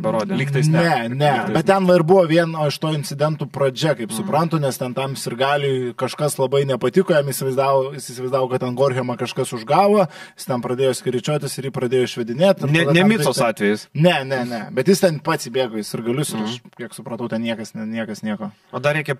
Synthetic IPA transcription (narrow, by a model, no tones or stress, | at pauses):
bʲɐɾoːd̪ʲelʲiːkt̪ɐɪnʲɛnʲɛɛt̪̚t̪ʲɛnʋɐɪrbʊʋoːʋʲiɛnoɪʃt̪oːɪnʲt͡s̪ʲɪd̪ʲɛnt̪uːpɾɐd͡ʒʲɛkɐɪpsʊpɾɐnt̪ʊnʲɛst̪ʲɛnt̪ɐmjɪsɪɾɡɑːlʲɪːkɐʃkɐslˠɐbɐɪnʲɛpɐt̪ʲɪkoːjɛmiːsʲɪʋɐɪzd̪ɑːʋojɪsiːsʲɪʋɐɪzd̪ɑːʋoːkɐt̪ʲɛnɡoːrʲxʲɪomɐkɐʃkɐsʊʒɡɑːʋo | jɪ̥st̪ʲɛnpɾɐd̪ʲeːjoːsʲkʲɪɾʲɪt͡ʃʲoːt̪ʲɪsɪɾjiːpɾɐd̪ʲeːjoːɪʃʲʋʲɛd̪ʲɪnʲeːt̪ʲɐnʲɛd̪ɐnʲɛmʲɪsoːsɑːt̪ʲʋʲɛjɪsnʲɛnʲɛnʲɛbʲɛt̪jɪst̪ʲɛnpɑːt̪sʲiːbʲeːɡoːjɪsɪrɡɐlʲʊsɪɾɐʃkʲiɛksʊpɾɐt̪ɐʊt̪ʲɛnnʲiɛkɐsnʲɛnʲiɛkɐsnʲiɛkoː | oːd̪ɐɾʲɛɪkʲɛ